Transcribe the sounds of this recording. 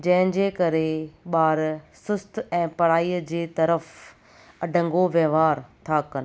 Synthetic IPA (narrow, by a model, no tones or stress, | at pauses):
d͡ʑɐ̃ɦɪ̃ɲ̆d͡ʑeːkɐɾeɓaːɾsʊst̪ɛ̃ːpɐɽ̤aːiːəd͡ʑeːt̪ɐɾəf | ɐɖʱə̃ŋɡoʋjɐʋaːɾt̪ʰaːkən